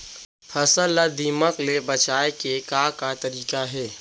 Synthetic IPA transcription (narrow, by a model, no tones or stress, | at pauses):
fʰɐsəlːad̪iːməklebɐt͡ʃaːekekaːkat̪ɐɾiːkaɦɛː